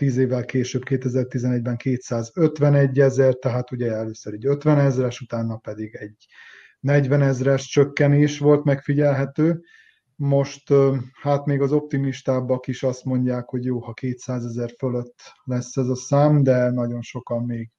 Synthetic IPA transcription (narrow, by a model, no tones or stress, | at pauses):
t̪iːzeːvːɛlkeːʃøːbkeːt̪ɛzɛrt̪izɛnɛɟ̚bɛŋkeːt̪saːzøt̪ʋɛnɛɟːɛzɛrt̪ɛɦaːt̪uɟɛɛløːsøɾɛɟøt̪ʋɛnɛzrɛʃut̪aːnːɒpɛd̪iɡɛɟ | nɛɟʋɛnɛzrɛʃt͡ʃøkːɛneːʃʋo̞lt̪mɛkfiɟɛlɦɛt̪øː | mo̞ʃt̪haːt̪meːɡɒzo̞p̚t̪imiʃt̪aːbɒkiʃɒst̪mo̞ɲɟaːkho̞ɟjoːhɒkeːt̪saːzɛzɛrføløt̪ːlɛsːɛzɒsaːmd̪ɛnɒɟo̞nʃo̞kɒmːeːɡ